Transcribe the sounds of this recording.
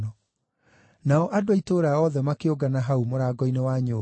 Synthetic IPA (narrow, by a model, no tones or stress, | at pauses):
ɔ | naɔʔadoaitoːɾaaɔðɛmakeoɡanaɦaumoɾaɡɔinewaɲoː